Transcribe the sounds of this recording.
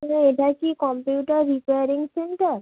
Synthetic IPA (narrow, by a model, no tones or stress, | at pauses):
naeʈakikɔmpuuːʈaɾːipejaɾiŋseɳʈaɾ